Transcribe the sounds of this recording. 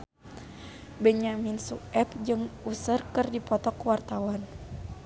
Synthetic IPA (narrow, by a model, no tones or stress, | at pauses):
bɛɲaminsuɛp̚d͡ʒɨŋusərkɨrdipɔt̪ɔkwart̪awan